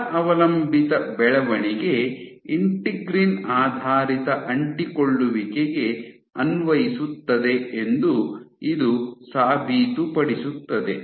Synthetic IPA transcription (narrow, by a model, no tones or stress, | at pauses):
ʔɐʋɐlɐmbʱit̪ɐbɛɭɐʋɐɳiɡe̞ | iɳʈiɡɾinaːd̪ʱaːɾit̪ɐʔɐɳʈikoɭːuʋikeɡe̞ | ɐnʋɐjisut̪ːɐd̪e̞end̪uid̪usaːbʱiːt̪upɐɽisut̪ːɐd̪e